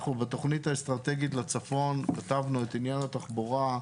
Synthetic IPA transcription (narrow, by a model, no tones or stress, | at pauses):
χnubet̪o̞χnit̪aest̪ʁat̪e̞ɡit̪lat͡safo̞nkat̪avnuet̪injanat̪aχboʁa